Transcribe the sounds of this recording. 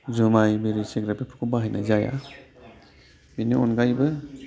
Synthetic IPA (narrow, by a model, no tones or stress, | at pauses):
zɯmajbiɾiseɡɾapipʰu̥kʰubaɦajnazaja̰ | biniɔnɡajbɯ